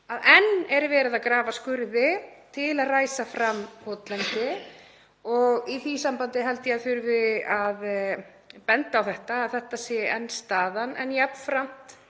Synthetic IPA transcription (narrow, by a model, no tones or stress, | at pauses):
aðɛnːɛɾvɛːɾɪðakɾaːvaskʏɾðɪt̪ʰɪlaðraːjsafɾamhʰɔt̪lɛnt̪ɪ | ɔɣiθisampant̪ɪɦɛlt̪ɪjaðθʏɾvɪað | pɛnt̪aːwθɛht̪aːðθɛht̪asjɛɛnːst̪aːðanɛ̰njɛpnfɾam̥t̪